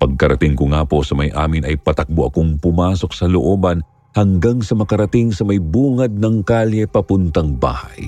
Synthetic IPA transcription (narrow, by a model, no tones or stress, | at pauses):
pɐɡ̚kɐɾɐt̪ɪŋkʊŋaːpo̞sɐmɐjʔa̰ːmɪnʔɐjpɐt̪ɐk̚boʔɐkoŋpʊmaːso̞k̚sɐloʔo̞ːbɐn | hɐŋɡaŋsɐmɐkɐɾɐt̪ɪŋsɐmɐjbuːŋɐd̪̚nɐŋkaljɛpɐpʊnt̪ɐŋba̰ːhɐ̰j